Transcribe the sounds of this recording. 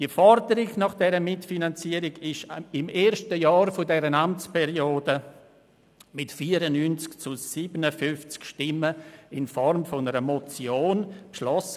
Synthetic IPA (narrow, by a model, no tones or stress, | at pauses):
d̥iəfɔɾdəɾɪɡnɑχd̥ɛɾəmɪtfinant͡siəɾɪɡɪʃɪmeːɾʃtəjɑːɾfʊdɛɾənamt͡spɛɾioːdə | mɪtfiːəɾənynt͡skt͡sʊsiːbənəfʏnft͡skʃtɪmːəɪnfɔɾmfɔnəɾəmɔt͡sjoːnpʃlɔs